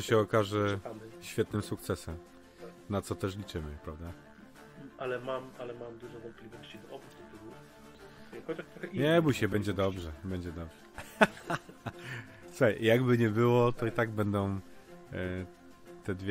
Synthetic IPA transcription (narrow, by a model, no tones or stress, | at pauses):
ɕɛɔkaʐɛaɕfʲjɛt̪nɘmsukt̪sɛsɛm | nat̪sɔt̪ɛʂ̬lʲit͡ʂɘmɘpɾavd̪a | ʔalɛmamalɛmamd̪uʐɔvɔnt̪̚plʲivɔɕt͡ɕid̪ɔʔɔbut̪ɛt̪ɛɡu | jakɔt̪akt̪ɾɔxɛiɲɛbuɕɛbɛɲd͡ʑɛd̪ɔbʐɛbɛɲd͡ʑɛd̪ɔbʐ̥ɛ | sɛjjaɡbɘɲɛbɘwɔt̪ɔit̪aɡbɛnd̪ɔ̃w̃ | t̪ɛd̪vʲ